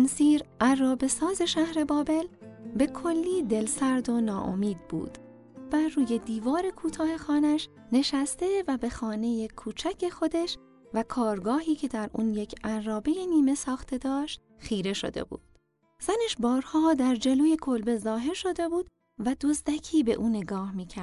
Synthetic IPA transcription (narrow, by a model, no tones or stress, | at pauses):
nsiːɾʔærːɒːbe̞sɒːze̞ʃæhɾe̞bɒːbe̞lbe̞kʰo̞lːiːd̪e̞lsæɾd̪o̞nɒːʔo̰miːd̪̥̚bṵːd̪̥ | bæruːje̞d̪iːvɒːɾe̞kʰuːt̪ʰɒːhe̞xɒːnæʃ | ne̞ʃæst̪e̞væbe̞xɒːne̞je̞kʰuːt͡ʃʰæcʰe̞xo̞d̪eʃ | vækʰɒːɾɡɒːhiːcʰe̞d̪æɾṵːnje̞cʰʔænrɒːbe̞jeniːme̞sɒːxt̪ʰe̞d̪ɒːʃt̪ | xiːɾe̞ʃo̰d̪e̞̰bṵːd̪̥ | z̥æneʃbɒːɾhɒːd̪æɾd͡ʒe̞loːje̞kʰo̞lbezɒːɦe̞ɾʃo̞d̪e̞buːd̪̥ | væd̪ozd̪æcʰiːbe̞̰ʔuːne̞ɡɒːhmiːcʰæɾd̪